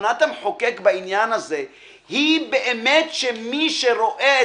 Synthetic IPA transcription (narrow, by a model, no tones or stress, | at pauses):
nat̪amħokekbainjanaze̞ | hibeʔemet̪ʃemiʃeɾo̞ʔee